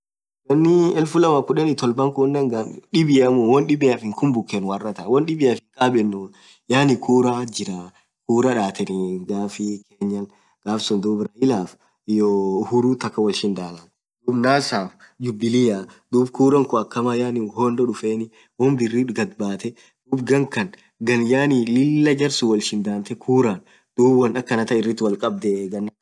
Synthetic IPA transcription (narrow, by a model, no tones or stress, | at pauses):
wɐnːɪɛlfʊlɐmɐkʊᶑɛnɪt̪ɔlbɐŋkʊnːɛŋɡɐᶑɪbɪjɐmʊwɔnɗɪbɪjaːfɪŋkʰʊmbʊkːenwɐrːɐt̪ɐwɔnɗɪbɪjafɪŋkʼaːbɛnːu | jaːnɪkʰuːɾad͡ʒɪɾa | kuːɾɐᶑaːt̪ʰɛnɪɡaːfɪkʰeːɲːɐn | ɡ̥aːfsʊnd̪uːbɾɐʔɪlaːf | johʊɾuːt̪ɐkːɐwɐlʃɪnd̪aːlɐn | d̪uːbnaːsaːf | d͡ʒʊbːɪlɪjaːd̪uːbkuːɾɐŋkʊɐkːɐmaːjaːnɪhoːnd̪ɔᶑʊfeːnɪ | wɔmbɪrːiɡɐd̪baːt̪ɛ | d̪̥uːbɡɐŋkɐn | ɡɐnjaːnɪlɪlːɐd͡ʒɐɾsuwɐlʃɪnd̪aːnt̪ɛkʰuːɾaːn | d̪̥uːbwɐnɐkːɐnɐt̪ɐɪrːɪt̪ːɪwɐlkʼɐb̚d̪ɛɡɐnː